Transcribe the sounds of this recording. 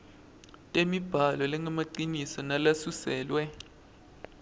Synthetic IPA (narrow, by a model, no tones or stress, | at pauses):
tʼemib̥ʱalɔlɛŋʱamaǃinisɔnalasusɛːlwɛ